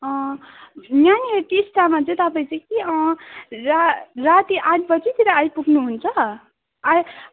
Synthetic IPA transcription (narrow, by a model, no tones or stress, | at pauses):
ʌ̃ | njaniɦeʈisʈamat͡sʌ̃j̃t̪ʌpaĩt͡sʌjkiʌ̃rarat̪iʔad̪pʌt͡sʰit̪iɾaajpuɡnuɦunt͡sʰʌ | aj